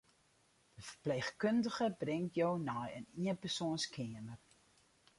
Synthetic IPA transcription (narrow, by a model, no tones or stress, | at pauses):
d̥əfərpleːχkøndəχəbrɪŋtjownɔjəniənpərsoənskʰeəmər